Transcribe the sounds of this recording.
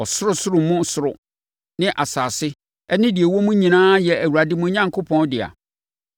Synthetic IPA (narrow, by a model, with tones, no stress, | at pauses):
ɔ˨sʊ˦ɾʊ˦sʊ˦ɾʊ˨mʊ̃˦sʊ˦ɾʊ˨ | nɪ̃˦ʔa˨saː˨sɪ˦ | ɛ˦nɪ̃˦di˨e˨wɔ˦mũ˦ɲĩ˨nãː˦jɛ˨æ˨wu˨a˨dɪ˦mũ˦ɲã˦ŋkʰo˦pʰɔ̃˦ndɪ˨a̰˨